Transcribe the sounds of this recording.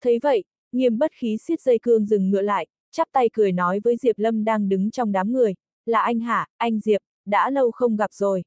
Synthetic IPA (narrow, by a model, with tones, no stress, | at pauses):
t̪ʰə˨˦jvə̰˧˨j | ŋi˨˩əmɓə˦˥t̚xi˨˦swi˦˥t̚zə˧jkɨ˧əŋzɨ˨˩ŋːɨ̰˧˨əla̰ː˧˨jʔ | t͡ɕa˦˥p̚t̪a˧jkɨ˧˩əjnɔ˨˦jvəː˨˦jzi˨˩əp̚lə˧mɗaː˧ŋɗɨ˨˦ŋt͡ɕɔ˧wŋ͡mɗaː˨˦mŋɨ˨˩əj | laː˨˩ʔa˧jŋ̟ɦaː˧˩ʔa˧jŋ̟zi˨˩əp̚ | ɗa̰ː˧˥lə˧wxə˧wŋ͡mɣa˨˩p̚z̥o˨˩j